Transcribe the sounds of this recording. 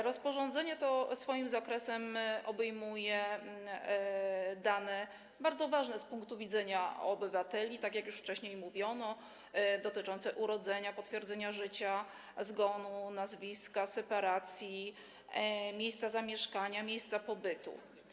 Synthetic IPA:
ɾɔspɔʐɔnd̪zɛɲɛt̪ɔsfɔjimzakɾɛsɛmʔɔbɛjmujɛ | d̪anɛ | baɾd̪zɔvaʐnɛspuŋkt̪uvʲid̪zɛɲaɔbɘvat̪ɛlʲit̪akjakjuʂft͡ʂɛɕɲejmuvʲjɔnɔ | d̪ɔt̪ɘt͡ʂɔnt̪sɛʔuɾɔd̪zɛɲapɔt̪fʲjɛɾdzɛɲaʐɘt͡ɕa | zɡɔnunazvʲiskasɛpaɾat̪sʲji | mʲjejst̪sazamʲjɛʂkaɲamʲjejst̪sapɔbɘt̪ṵ

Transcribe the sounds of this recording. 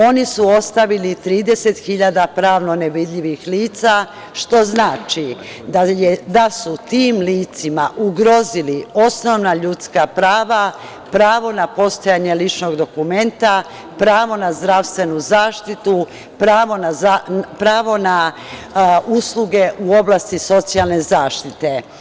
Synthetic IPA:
o̞nisuo̞st̪aʋilit̪ɾiːd̪e̞set̪xiʎad̪apɾaːʋno̞neʋid̪ʎiʋixliːt̪sa | ʃt̪o̞znaːt͡ʃi | d̪aed̪asut̪iːmliːt̪simaʔuɡɾo̞zilio̞sno̞ʋnaʎut̪skapɾaːʋa | pɾaːʋo̞napo̞st̪ojaɲelit͡ʃno̞ɡd̪o̞kume̞nt̪a | pɾaːʋo̞nazd̪ɾaʋst̪ʋe̞nuzaːʃt̪it̪u | pɾaːʋo̞naapɾaːʋo̞na | usluɡe̞ʔuo̞blˠast̪iso̞t̪sialˠne̞zaːʃt̪it̪e̞

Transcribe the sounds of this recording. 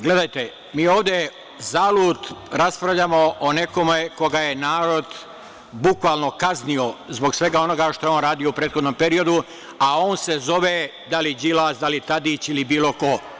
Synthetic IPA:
ɡle̞d̪ajt̪e | miːo̞ːʋd̪je | zaːluːd̪ɾaspɾaʋʎaːmoʔoneko̞meko̞ɡajenaːɾo̞d̪ | bukʋaːlno̞kaznio̞zbo̞ksʋe̞ɡao̞no̞ɡaʃt̪oeoːnɾaːd̪ijoupɾeːt̪xo̞d̪no̞mpe̞ɾio̞d̪u | ao̞ːnse̞zo̞ʋed̪alid͡ʑilasd̪alit̪ad̪it͡ɕilibiːlo̞ko̞

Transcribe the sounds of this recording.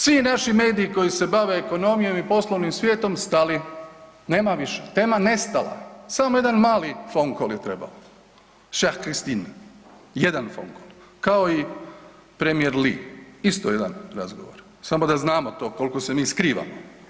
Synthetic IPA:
sʋinaʃime̞ːd̪iːko̞jise̞baʋe̞ːko̞no̞mijo̞mipo̞slˠoʋnimsʋje̞ːt̪o̞mst̪ali | neːmaʋiʃet̪eːmane̞st̪alˠa̰samoje̞d̪anmaːlifoŋkoljet̪ɾe̞ba̰o | ʃahkɾist̪in | jed̪anfo̰ŋkolˠkao̞i | pɾemieɾliist̪ojed̪a̰nɾa̰zɡo̰ʋo̰ɾ | samo̞d̪aznaːmot̪o̞ːko̞lˠko̞se̞miːskɾiːʋa̰mo

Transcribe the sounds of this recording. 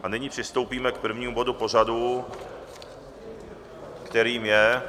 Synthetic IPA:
ʔanɪɲɪpr̝̥ɪst̪owpiːmɛk̚pr̩vɲiːmubo̞d̪upor̝adu | kt̪ɛɾiːmjɛ

